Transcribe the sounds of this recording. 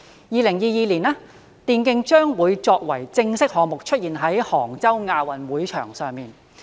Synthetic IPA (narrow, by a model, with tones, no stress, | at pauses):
jiː˨˧lɪ˨˩ŋjiː˨˧jiː˨˧liː˨˩naː˥ | t̪iː˨˧nkɪ˧ŋt͡ʃœː˥ŋwuː˨˧jt͡sɔː˧k̚wɐ˨˩jt͡sɪ˧ŋsɪ˥k̚hɔː˧ŋmʊ˨k̚t͡ʃʰɵ˥t̚jiː˨nɦɐ˨˥jhɔː˨˩ŋt͡sɐ˥wŋaː˧wɐ˨˩nwuː˨˥jt͡ʃʰœ̰ː˨˩ŋsœː˨ŋmiː˨n